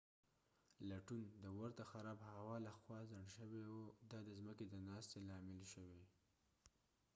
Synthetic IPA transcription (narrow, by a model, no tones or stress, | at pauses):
laʈund̪əwaɾt̪axaɾɑbhawɑlaxwɑzaɳɖʃəwewod̪ɑd̪əzməked̪ənɑst̪elɑmɪlʃəwe